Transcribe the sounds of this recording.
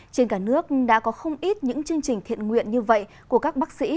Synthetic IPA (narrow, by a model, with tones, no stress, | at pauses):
t͡ɕe˧nkaː˧˩nɨ˦˥ək̚ɗa̰ː˧˥kɔ˨˦xə˧wŋ͡mʔi˦˥t̚ɲɨ̰˧˥ŋt͡ɕɨ˧əŋt͡ɕï̟˨˩t̪ʰḭ˧˨ənŋwḭ˧˨ənɲɨ˧və̰˧˨j | ku˧˩əkaː˦˥k̚ɓa˦˥k̚sḭ˧˥